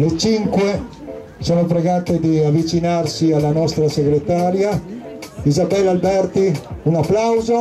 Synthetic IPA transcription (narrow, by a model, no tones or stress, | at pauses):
let͡ʃiŋkwe | soːnopɾeɡaːt̪ed̪iavːit͡ʃinarsialːanɔst̪ɾaseɡɾet̪aːɾja | izabɛlːalbɛrt̪iunapːlawzo